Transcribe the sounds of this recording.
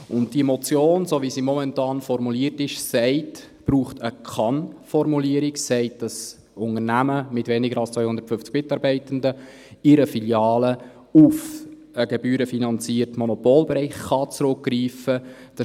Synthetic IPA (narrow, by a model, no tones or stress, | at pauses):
ʊnt̚d̥imɔt͡sjoːnsoːʋisiːmɔmɛntɑːnfɔɾmuliːəɾtɪʃsɛɪt | b̥ɾuːχtəkʰɑnfɔɾmuliəɾɪksɛɪt̚d̥ɑs | ʊnŋəɾnæməmɪtʋɛnɪɡəɾɑlst͡sʋœʏhʊndəɾtfʏft͡sɡ̥mɪtɑɾbɛɪtəndə | ɪɾəfiljɑːlə | ʊf | əɡ̥ɛbyːɾəfinɑnt͡siːərtmɔnopoːlbɛɾɛɪχːɑt͡sɾʊk̚ɡɾiːfə | d̥ɑ